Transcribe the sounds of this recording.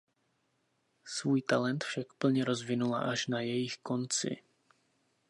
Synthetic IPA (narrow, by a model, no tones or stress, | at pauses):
svuːjt̪alɛnt̪fʃakpl̩ɲɛɾo̞zvɪnula̰ʔaʃnajɛjɪxko̞nt͡sɪ̰